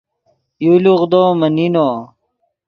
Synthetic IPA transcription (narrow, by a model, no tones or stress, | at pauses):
juluʁd̪oːmɐninoː